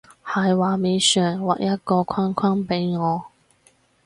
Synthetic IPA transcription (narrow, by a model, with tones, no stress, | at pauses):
hɐ˨˩jwaː˨˩me˨˧jsœː˨˩ŋwaː˨˩k̚jɐ˥t̚kɔː˧kʰaː˥nkʰwaː˥npe˨˥jŋɔː˨˧